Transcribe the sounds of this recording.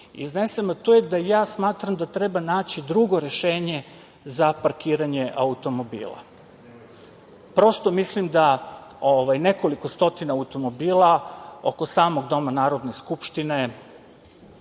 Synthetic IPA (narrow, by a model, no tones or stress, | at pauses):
ḭzne̞semat̪ujed̪ajaːsmaːt̪ɾamd̪at̪ɾe̞banaːt͡ɕid̪ɾuɡo̞ɾe̞ʃeːɲe̞ | zapaɾkiːɾaɲeʔaut̪o̞mo̞bḭːlˠa̰ | pɾo̞st̪omislimd̪aoʋajne̞ko̞liko̞st̪o̞t̪inaaut̪o̞mo̞biːlˠao̞ko̞saːmo̞ɡd̪o̞manaːɾo̞d̪ne̞skupʃt̪ine̞